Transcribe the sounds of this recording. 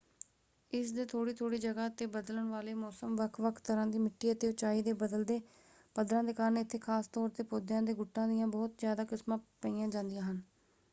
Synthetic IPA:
ɪsd̪eːt̪ʰoːɽiːt̪ʰoːɽiːd͡ʒəɡaːət̪eːbəd̪ləɳʋaːleːmɔːsəmʋəkʰʋəkʰt̪əɾãːd̪iːmɪʈːiːət̪eːʊt͡ʃaːiːd̪eːbəd̪əld̪eː | pəd̪ɾãːd̪eːkaːɾənɪt̪ʰːeːkʰaːst̪ɔːɾt̪eːpoːd̪jãːd̪eːɡʊʈːãːd̪ɪjãːbɔːt̪zjaːd̪aːkɪsmãːpəiːãːd͡ʒãːnd̪ɪjãːɦən

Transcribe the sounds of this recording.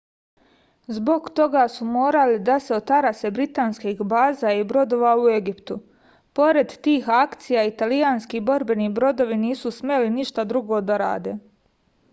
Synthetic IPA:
zbo̞ɡt̪o̞ɡasumo̞ːɾalid̪aseot̪aɾase̞bɾit̪aːnskiɦbaːzaibɾo̞d̪o̞ːʋaue̞ɡipt̪u | po̞ɾe̞d̪t̪iːxakt̪sijait̪alijaːnskibo̞ɾbe̞nibɾo̞d̪o̞ʋiniːsusme̞liniʃt̪ad̪ɾuɡo̞d̪aɾa̰ːd̪e̞ː

